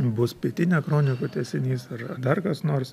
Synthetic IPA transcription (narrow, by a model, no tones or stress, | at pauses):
bʊspʲiɛt̪ʲɪnʲɛkɾoːnʲɪkot̪ʲɛːsʲɛnʲiːsɐrɐd̪ɐrkɐsnoːɾs